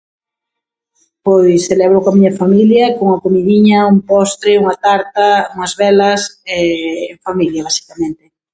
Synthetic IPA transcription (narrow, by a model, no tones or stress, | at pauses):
pojselɛβ̞ɾʊkamiɲɐfamiljɐkoŋɐkomiðiɲɐumpɔst̪ɾeuŋɐt̪aɾt̪ɐuŋɐzβɛlɐsɛeɱfamiljɐβ̞asi̥kamẽnt̪ɪ